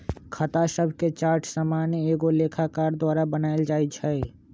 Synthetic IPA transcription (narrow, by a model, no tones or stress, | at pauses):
kʰət̪asəbʱket͡ʃaːɾʈʰsamaːnjeːɡoleːkʰakaːɾd̪waːɾabənaːeld͡ʒaːit͡ʃʰɛː